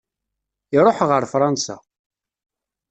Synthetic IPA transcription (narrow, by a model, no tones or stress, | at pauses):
ɪɾˤoħʁəɾfɾˤɑnsa̰